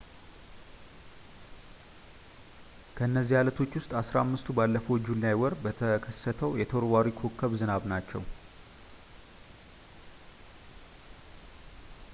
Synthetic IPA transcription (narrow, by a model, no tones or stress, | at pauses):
kʰəɨnːəzːijalət̪ʰo̞t͡ʃːwʊst̪ʼasɾamːɨst̪ʰubalːəfəwd͡ʒulːajwɔɾbət̪ʰəkʰəsːət̪ʰəwjɛt̪ʰoɾwaɾikʰokʰːəβzɨnaβnat͡ʃːɛ̰w